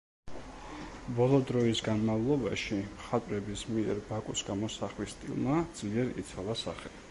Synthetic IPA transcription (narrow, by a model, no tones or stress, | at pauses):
bɔlˠɔd̪ɾɔisɡanmavlˠɔbaʃimχat̪ʼɾɛbismiɛ̰ɾbakʼusɡamɔsaχlist̪ʼḭlˠmad̪z̥liɛɾḭt̪sʰalˠasa̰χɛ